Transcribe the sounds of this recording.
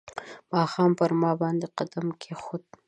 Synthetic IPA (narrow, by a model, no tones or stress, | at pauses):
mɑxɑmpəɾmɑbɑnd̪eqad̪amkʰexʊd̪